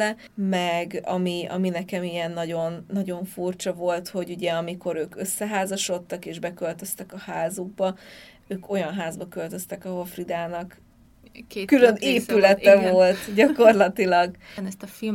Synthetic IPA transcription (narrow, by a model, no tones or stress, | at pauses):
ɛ | mɛɡɒ̰miɒ̰minɛkɛmijɛnːɒɟo̞nːɒɟo̞ɱfurt͡ʃɒvo̞lt̪ho̞ɟuɟɛɒmiko̞ɾøːkøsːɛɦaːzɒʃo̞t̪ːɒkeːʒbɛkølt̪ø̞st̪ɛkɒhaːzuɡ̚bɒ | øːko̞jɒnɦaːzbɒkø̞lt̪ø̞st̪ɛkɒɦofrid̪aːnɒk | kyløneːpylɛt̪ɛvo̞lt̪ɟɒko̞rlɒt̪ilɒɡnɛst̪ɒfi